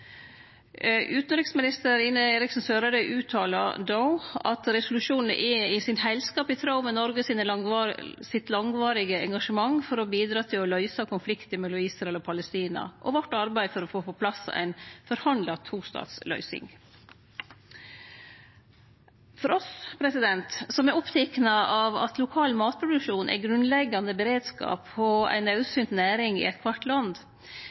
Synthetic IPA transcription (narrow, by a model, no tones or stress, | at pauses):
ʔʉːt̪n̩ɾɪksmɪnɪst̪əɾɪnəeːɾɪksn̩søːɾɑd̪əʔʉːt̪ʰɑːlɑ̰d̪oʊɑ̰t̪ɾɛsʊlʉʃuːnn̩ʔɛɪsɪnhæɪlskɑːpɪt̪ʰɾɑʊmɛnɔɾɡəsɪnə | sɪt̪lɑŋʋɑːɾɪɡəɛŋɡɑʂəmɑŋfɔɾɔbiːd̪ɾɑːt̪ʰɪlɔlœʏsɑkʰʊnflɪkt̪əmɛlʊiːsɾɑɛlɔpʰɑləst̪iːnɑ̰ʔɔ̰ʋɔʈːɑɾbæɪfɔɾɔfoːpɔpʰlɑsːɑ̰ʔæ̰ɪnfɔɾhɑnd̪lɑt̪ʰuːst̪ɑ̰ːt̪slœ̰ʏsɪ̰ŋ | fɔɾɔspʰɾɛsɪd̪ɛnt̪sɔmæɾɔpt̪ʰɛknɑɑʋɑ̰t̪lʊkʰɑːlmɑːt̪̚pʰɾʊd̪ʉkʂuːnʔæ̰ɾɡɾʉnlɛɡːɑnəbɛɾeːd̪skɑ̰ːpɔæ̰ɪnɑʉsyːnt̪næːɾɪŋɪ̰ɛt̪kʰʋɑʈlɑnd̪